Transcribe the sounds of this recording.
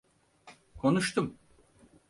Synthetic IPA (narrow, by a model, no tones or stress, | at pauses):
kʰo̞nuʃt̪ʰum